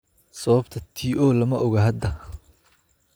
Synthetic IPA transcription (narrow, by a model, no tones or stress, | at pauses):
sɐβɐbt̪ʰɐt̪ʰiːʔɔːlɐmɐʔɔɣɐɦɐd̪ɐ